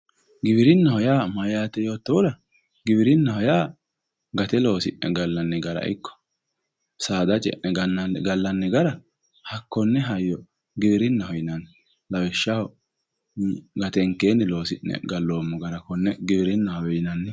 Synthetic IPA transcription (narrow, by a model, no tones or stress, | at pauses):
ɡɪbɪɾɪnːɐhɔjaːmɐjaːt̪ɛjo̞ːt̪ːɔwʊɾɐ | ɡɪbɪɾɪnːɐhɔjaː | ɡɐt̪ɛlo̞ːsɪ̰ʔnɛ̰ɡɐlːɐnːɛɡɐɾɐ̰ʔɪ̰kːɔ̥ | saːd̪ɐt͡ʃʼɛ̰ʔnɛɡɐnːɐnɡɐlːɐnːɛɡɐɾɐ | hɐkːɔnːɛɦɐjːɔ | ɡɪbɪɾɪnːɐhɔjɪnɐn | lɐwɪʃːɐhɔ | ɡɐt̪ɛŋkːeːnːɛlo̞ːsɪnːɛ̰ɡɐlːoːmːɔɡɐɾɐkɔnːɛɡɪbɪɾɪnːɐhɔwɛjɪnɐnːɛ